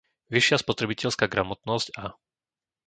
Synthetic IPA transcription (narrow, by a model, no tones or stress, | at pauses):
ʋiʃɪaspɔt̪ɾɛbicɛʎskaːɡɾamɔt̪nɔsca